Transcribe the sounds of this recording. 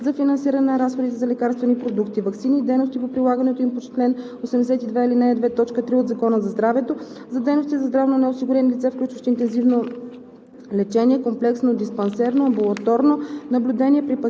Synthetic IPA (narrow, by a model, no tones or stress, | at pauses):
zɐfinɐnsiɾɐnɛɾasxod̪it̪ɛzɐlɛkaɾst̪vɛnipɾod̪ukt̪ivɐksiniːd̪ɛjnost̪ipopɾilˠaɡɐnɛt̪oimpot͡ʃɛ̥t̪lɛn | osɛmd̪ɛsɛt̪id̪vɛilinaɛd̪vɛt̪ɔt͡ʃkət̪ɾiod̪zɐkɔnəzɐzd̪ɾavɛt̪o | zɐd̪ɛjnost̪izɐzd̪ɾavnonɛosiɡʊɾʲɛnilit̪sɛfklʲut͡ʃvɐʃt̪ɛint̪ɛnzivno | lɛt͡ʃɛniɛkomplɛksnod̪ispɐnsɛɾnoɐmbulˠɐt̪ɔɾnonɐblʲud̪ɛnʲiɛpɾipɐ